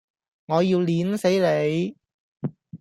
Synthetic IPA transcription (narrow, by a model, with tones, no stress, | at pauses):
ŋɔː˨˧jiː˧wliː˨˥nse˨˥jle˨˧j